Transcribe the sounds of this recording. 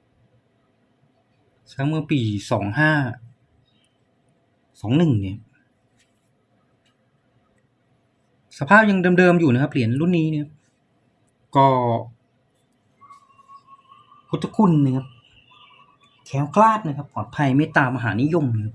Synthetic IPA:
sʰa˦˥mɯ˧piː˨˩sɔː˩˦ŋhaː˥˩ | sɔː˩˦ŋnɯ˨˩ŋna˧˩kʰa˧p̚ | sa˧pʰaː˥˩p̚ja˧ŋdɤː˧mdɤː˧mjuː˨˩na˦˥kʰa˧p̚li˨˩˦ənlu˥˩nːiː˦˥na˧˩kʰa˦˧˥p̚ | kɔː˧˩ | pʰu˦˥t̪ʰːa˧kʰu˧˩nːa˧˩kʰa˦˥p̚ | kʰɛː˩˦wkʰlaː˥˩t̪̚na˦˧kʰa˦˥pːɔː˨˩t̪̚pʰa˧jmaː˦˥˩t̪aː˧mːa˧ɦaː˩˦niː˦˥jo˧mna˧˩kʰa˧˥p̚

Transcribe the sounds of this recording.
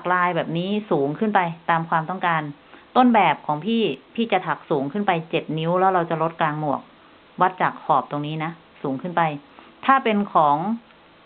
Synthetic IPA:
a˨˩k̚laː˧jbɛː˨˩p̚niː˦˥suː˩˦ŋkʰɯ˥˩npa˧jt̪aː˧mkʰwaː˧mt̪ɔ˥˩ŋkaː˧n | t̪o˥˩˨nbɛː˨˩p̚kʰɔː˩˦ŋpʰiː˥˩pʰiː˥˩t͡ɕa˨˩t̪ʰa˨˩k̚suː˩˦ŋkʰɯ˥˩npa˧jt͡ɕe˨˩t̪̚ni˦˥wlɛː˦˥wɾa˧wt͡ɕa˨˩lo˦˥t̪̚kaː˧ŋmu˨˩ək̚ | wa˦˥t̪̚t͡ɕa˨˩k̚hɔː˨˩p̚t̪o˧ŋniː˦˥na˦˥ | suː˩˦ŋkʰɯ˥˩npa˧j | t̪ʰaː˥˩pe˧nkʰɔː˩˦ŋ

